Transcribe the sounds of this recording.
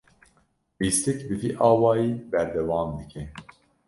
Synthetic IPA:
biːst̪ɛkbɨvḭʔɑːwɑːjiːbɛɾd̪ɛwɑːmd̪ɨkʰɛ

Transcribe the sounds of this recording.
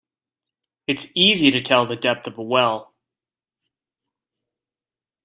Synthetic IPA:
ɨtsiziɾɨtʰɛlˠðɨdɛp̚θʌvəwɛlˠ

